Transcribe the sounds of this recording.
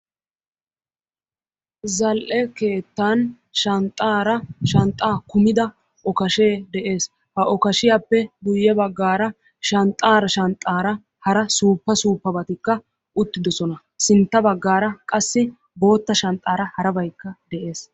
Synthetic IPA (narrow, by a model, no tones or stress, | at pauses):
zɐlʔɛke̞ːt̪ːɐn | ʃɐnt̪ʼːaːɾɐʃɐnt̪ʼːaːkʊmɪd̪ɐ | ʔɔkɐʃe̞ːd̪ɛʔe̞ːs | hɐʔɔkɐʃɪjaːpːɛɡ̪ʊjːɛbɐɡːaːɾɐ | ʃɐnt̪ʼaːɾɐʃɐnt̪ʼːaːɾɐ | hɐɾɐsuːpːɐsuːpːɐbɐt̪ɪkːɐ | ʊt̪ːɪd̪ɔsɔnɐ | sɪnt̪ːɐbɐɡːaːɾɐkʼɐsːɪ | bo̞ːt̪ːɐʃɐnt̪ʼːaːɾɐhɐɾɐbɐjkːɐd̪ɛʔe̞ːs